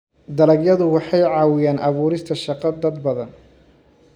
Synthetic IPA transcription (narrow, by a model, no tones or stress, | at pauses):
d̪ɐlɐɡjɐðʊwɑħɑjʕɑːwɪjaːnʔɑβuːɾɪst̪ʰɐʃɑqɑd̪ɐd̪bɐðɐn